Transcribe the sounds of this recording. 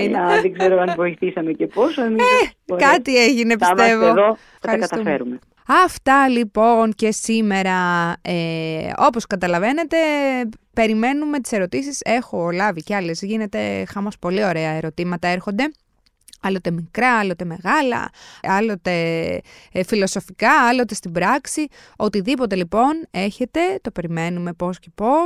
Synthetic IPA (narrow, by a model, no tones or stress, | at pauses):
inɐðeɡzeɾoɐnvo̞iθisɐmeceposoemikɐt̪ieʝinepiist̪evoðo | fɐxɐɾiskɐt̪ɐt̪ufeɾume | ɐft̪ɐlipo̞nce̞sime̞ɾɐeo̞po̞skɐt̪ɐlɐve̞ne̞t̪e̞pe̞ɾime̞nume̞t̪i̥se̞ɾo̞t̪isise̞xo̞lɐviceɐle̞zʝine̞t̪e̞xɐmo̞spo̞lio̞ɾe̞ɐe̞ɾo̞t̪imɐt̪ɐeɾxo̞nd̪e̞ | ɐlo̞t̪e̞mikɾɐɐlo̞t̪e̞me̞ɣɐlɐ̰ɐlo̞t̪e̞ | filo̞so̞fikɐɐlo̞t̪e̞st̪ibɾɐksi | o̞t̪iðipo̞t̪e̞lipo̞ne̞çe̞t̪e̞t̪o̞pe̞ɾime̞nume̞po̞sce̞po̞s